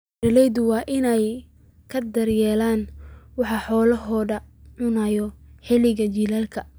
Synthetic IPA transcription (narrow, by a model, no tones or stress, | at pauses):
ɾɐlɛjðʊwɑːʔɪnɛj | kʰɐd̪ɐrjɛːlaːnwɑħɑħɔːlɐɦɔːdɐʕʊnajɔħɪlɪɣɐt͡ʃilaːlkʰɐ